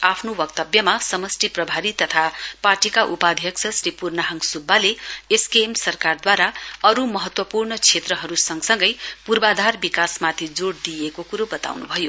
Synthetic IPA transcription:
apʰnowʌk̚t̪ʌbjʌmasʌmʌsʈiprʌbʱaɾit̪ʌt̪ʰaparʈikaʔupad̪ʱjʌksʰʌsripurnaɦʌŋsubːaleeskemsʌrkard̪waɾaʌɾumʌɦʌt̪wʌpurnʌt͡sʰet̪rʌɦʌɾusʌŋɡsʌŋɡʌjpurbad̪ʱarbikasmat̪ʰid͡zoɽd̪ijekokuɾobʌt̪a̰wnṵbʱʌjo

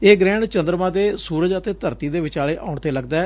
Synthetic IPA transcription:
eːɡɾɛ̃ːɳt͡ʃənd̪ɾmãːd̪eːsuːɾəd͡ʒət̪eːt̪əɾt̪iːd̪eːʋɪt͡ʃaːleːʔaːʊɳt̪eːləɡd̪aɛ

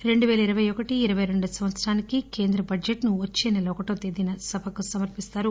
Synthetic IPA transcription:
ɾe̞ɳɖuʋɛːlɐiɾɐʋɐjɔkɐʈiːɾɐʋɐjɾe̞ɳɖusɐmʋɐt̪sɐɾaːnikike̞ːnd̪ɾɐbɐd͡ʒeʈnuʋɐt͡ʃːeːnɐlɔːkɐʈoːt̪eːd̪inɐsɐbʱɐkusɐmɐɾpist̪aːɾu

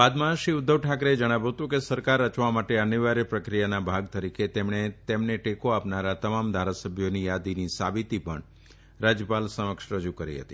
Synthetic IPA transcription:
bad̪maʃiʊd̪ʱːəʋʈʰakɾed͡ʒəɽ̃aʋut̪ũkesəɾkaɾət͡ʃʋamaʈeəniʋaɾepɾəkɾijanabʱaɡ̚t̪əɾikʰet̪emɳet̪emɳeʈekoapnaɾat̪əmamd̪ʱaɾasəbʱjonijad̪inisa̰bit̪ipəɳ | ɾad͡ʒjəpalsəməkʃɾəd͡ʒukəɾḭɦə̰t̪i

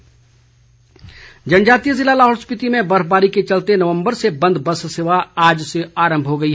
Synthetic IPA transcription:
d͡ʒɐnd͡ʒaːt̪ijəzɪlalaːɦoːɾspɪt̪imẽbəɾbaːɾiket͡ʃɐlt̪enɐʋə̃mbəɾsebɐ̃nd̪ʱbəsseːʋaaːd͡ʒseaːɾə̃mbʱɦoɡɐiɦ

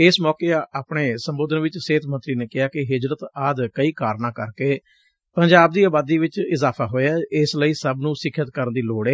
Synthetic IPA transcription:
ɪsmɔːkeːaːpɳeːsəmboːd̪ənʋɪt͡ʃseːt̪ʰmə̃nt̪ɾiːneːkɪaːkɪɦɪd͡ʒɾət̪aːd̪kəiːkaːɾnãːkəɾkeː | pəɲd͡ʒaːb̚d̪iːəːbaːd̪iːʋɪt͡ʃɪzaːpʰaːɦoːeaːɪsləiːsəbnũːsɪkʰːət̪kəɾənd̪iːloːɽeː

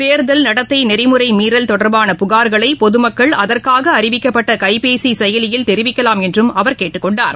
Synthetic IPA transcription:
seːɾðɐlnɐɽɐt̪ːɐɪnɛɾɪmɯɾɐɪmiːɾɐlt̪ɔɽɐɾbaːnɐpʊɣaːɾɣɐɭɐɪpɔðɯmɐkːɐɭɐðɐrkaːɣɐːɾɪʋɪkːɐpːɐʈːɐkɐɪpeːsisɛjɐlɪjɪlt̪ɛɾɪʋɪkːɐlaːmɛndrɯmɐʋɐɾkeːʈːɯkːɔɳɖaːɾ

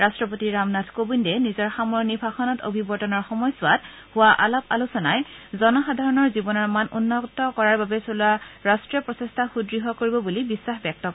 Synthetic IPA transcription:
ɹastɹɔp̬otiɹamnatʰkobindɛnizɔɹxamɔɹnibʰʱaxɔnɔto̰bʱibɔɹtɔnɔɹxɔmɔjsʊat̚ | hʊaʔalapa̰lusɔnajzɔnɔxadʱaɹɔnɔɹzibɔnɔɹmanṵnːɔtɔkɔɹaɹbabɛsoluaɹastɹijɔpɹɔsestʰaxudɹiɦɔkoɹibɔbulibisːaxbjɛk̚tɔk

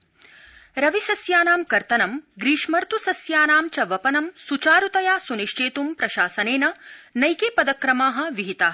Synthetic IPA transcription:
ɾɐʋisɐsjaːnaːmkɐɾt̪ɐnɐmɡɾiːʃmɐɾt̪usɐsjaːnaːmt͡ʃɐʋɐpɐnɐmsut͡ʃaːɾut̪ɐjaːsuniʃt͡ʃeːt̪umpɾɐʃaːsɐneːnɐnɐjkeːpɐd̪ɐkɾɐmaːɦɐ̆ʋiɦit̪aː

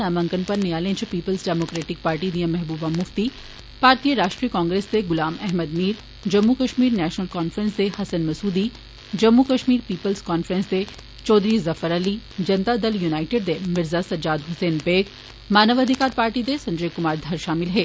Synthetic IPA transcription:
aːmɐ̃ŋkənpɐɾnɪjaːlẽːt͡ʃpiːpəlzɖɛːmoːkɾeːʈɪk̚paːɾʈid̪ijə̃mɛɦbuːbamʊft̪i | paːɾt̪ijəɾaːʃʈɾikɔ̃ːŋɡɾeːsd̪eɡʊlaːmɛɦməd̪miːɾ | d͡ʒɐmːukɐʃmiːɾnɛːʃnəlkaːnfɾə̃nsd̪ehɐsənmɐsuːd̪i | d͡ʒɐmːukɐʃmiːɾpiːpəlzkɔːnfɾə̃nsd̪e | t͡ʃɔːd̪ɾizɐfəɾɐlid͡ʒɐnt̪ad̪ɐljunaːɪʈeːɖ̚d̪emɪɾzasɐd͡ʒaːd̪ɦʊseːnpeːɡ | maːnəʋɐd̪ʱɪkaːɾpaːɾʈid̪esɐ̃ɲd͡ʒəːkʊmaːɾd̪ʱɐɾʃaːmɪlɦɛː

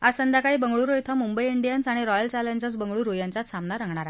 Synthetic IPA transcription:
asənd̪jakaɭiːbəŋɡɭuːɾojt̪ʰamumbəjiɳɖijənsaɽ̃iɾɔjəlt͡ɕaleɲd͡ʑət͡sbəŋɡɭuːɾojãɲt͡ɕat̪samnaɾəŋɡɳaɾa

